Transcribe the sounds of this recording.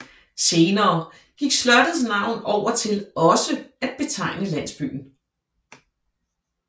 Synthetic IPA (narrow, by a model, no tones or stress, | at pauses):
se̝ːnɐː | ɡ̥iɡ̥slɶd̥ð̩ˠs̬nɑ̈ʊ̰nɒʊ̰ɐt͡sʰe̝lɒ̽səæd̥̚b̥e̝t͡sʰɑ̈ɪ̰nəlæn̰sb̥y̰ːn̩